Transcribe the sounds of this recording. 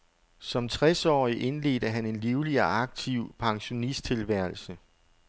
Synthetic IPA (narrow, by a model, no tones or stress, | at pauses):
sɒ̽mt͡sʰʁɛsɒ̰ːiʔe̝nle̝̰ːdəɦæne̝nliʊliɒɑ̈ɡ̥̚t͡sʰiʊ̰pʰɑ̈ŋɕo̝nisd̥̚t͡sʰe̝lʋæɐ̰l̩sə